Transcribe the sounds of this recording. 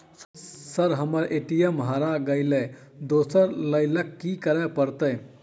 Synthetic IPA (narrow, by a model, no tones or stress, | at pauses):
səɾɦəməɾʔeʈijəmɦəɾaɡəɪle | d̪osəɾləɪləkːikəɾɛpəɾt̪əj